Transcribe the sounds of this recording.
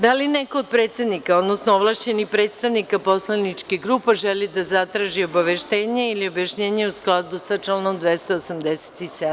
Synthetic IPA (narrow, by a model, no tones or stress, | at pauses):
d̪alinekoːd̪̚pɾe̞ːt̪sed̪nikao̞d̪nosnooʋlˠaʃt͡ɕe̞nipɾe̞t̪st̪aʋnikapo̞slˠanit͡ʃkiɡɾuːpaʒelid̪azat̪ɾaʒio̞baʋeʃt̪e̞ːɲeiliobjaʃɲe̞ːɲeusklˠad̪usat͡ʃlanomd̪ʋe̞st̪oosamd̪ese̥t̪ised̪